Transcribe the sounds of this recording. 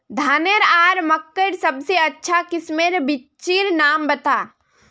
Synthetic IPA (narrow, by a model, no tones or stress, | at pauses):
d̪ʱaːnəɾaːɾməkːəɾsɐbseɐtːʃʰakɪsmeɾbɪt͡ʃiɾnaːmbɐt̪aː